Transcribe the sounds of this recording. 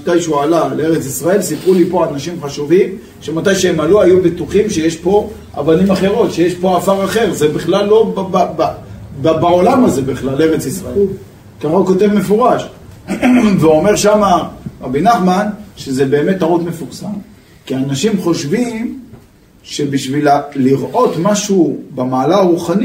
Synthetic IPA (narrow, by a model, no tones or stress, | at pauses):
at̪ajʃualalee̞ʁet͡sisʁae̞lsipʁulipo̞anaʃimχaʃuvim | ʃe̞mat̪ajʃeemaluajubet̪uχimʃe̞jeʃpo̞ | ʔa̰vanimaχe̞ʁo̞tʃejeʃpo̞afaʁaχe̞ʁzebiχlalːo̞baababbaolamaze̞biχlalːeʁet͡sisʁael | kaʁoko̞te̞vme̞foʁaʃ | veome̞ʁʃamaʁabinaχmanʃeze̞be̞ːme̞tːaʁut̪me̞fuʁsam | kianaʃimχo̞ʃvim | ʃe̞biʃvilaliʁʔo̞tmaʃubamaːlaaʁuχani